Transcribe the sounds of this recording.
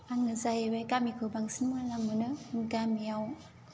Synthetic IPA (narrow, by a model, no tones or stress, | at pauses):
aŋnɯzajewajkamikʰɯbaŋsinmɯanlaŋmɯnɯŋɡamijaw